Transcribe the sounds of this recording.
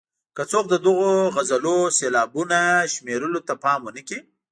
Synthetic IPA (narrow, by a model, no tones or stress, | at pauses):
kat͡sok̚d̪əd̪əɣoɣazaloselɑbunaʃmeɾəlot̪apɑmwənəki